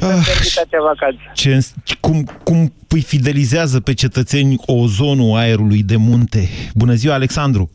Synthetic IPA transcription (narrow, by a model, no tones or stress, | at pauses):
aeit̪at̪avakansat͡ʃe̞ɨnskumkumpɨjfid̪e̞lizeazəpe̞t͡ʃe̞t̪ət̪se̞nʲo̞zo̞nuaeɾulujd̪e̞munt̪e̞bunəziwaːle̞ksand̪ɾu